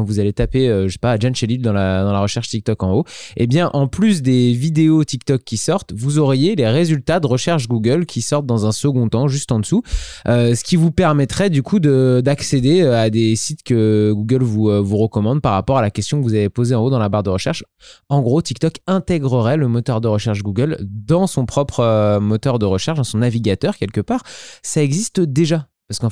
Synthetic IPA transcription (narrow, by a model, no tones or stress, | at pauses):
kɑ̃vuzalet̪apeøʒəse̥pad͡ʒanʃelild̪ɑ̃lad̪ɑ̃laʁəʃɛʁʃt̪ik̚t̪ɔkɑ̃oḛbjɛ̃ʔɑ̃plys̬d̪evid̪eot̪ikt̪ɔkʲʰːisɔʁt̪vuzɔʁjeleʁezylt̪ad̪əʁəʃɛʁʃɡuɡʲœlkʰʲisɔʁt̪̚d̪ɑ̃zɛ̃səɡɔ̃t̪ɑ̃ʒyst̪ɑ̃d̪əsuøsə̥kʲivupɛʁmɛt̪χɛd̪ykʰud̪əd̪aksed̪eøad̪esit̪kəɡuɡʲœlvuvuʁəkɔmɑ̃d̪paʁːapɔʁalakʲɛst̪jɔ̃kəvuzavepozeɑ̃od̪ɑ̃labaʁdd̪əʁəʃɛʁʃ | ɑ̃ɡʁot̪ik̚t̪ɔkɛ̃t̪ɛɡʁəʁɛləmɔt̪œʁd̪əʁəʃɛʁʃɡuɡœld̪ɑ̃sɔ̃pχɔpχəmɔt̪œʁd̪əʁəʃɛʁʃd̪ɑ̃sɔ̃naviɡʲat̪œʁkʲɛlkəpaːʁsaɛɡzist̪d̪eʒa | paʁsəkɑ̃